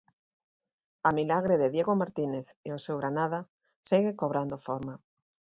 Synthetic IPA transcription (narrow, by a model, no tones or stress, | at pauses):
amilaɣɾeðeðjeɣomaɾt̪ineθeosewɣɾanað̞a | seɣekoβ̞ɾand̪ofoɾma